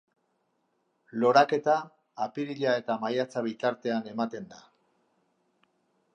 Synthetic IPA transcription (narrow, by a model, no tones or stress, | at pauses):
lo̞ɾake̞t̪aː | piɾiʎae̞t̪amajat͡saβ̞it̪aɾt̪e̞ane̞mat̪e̞nd̪a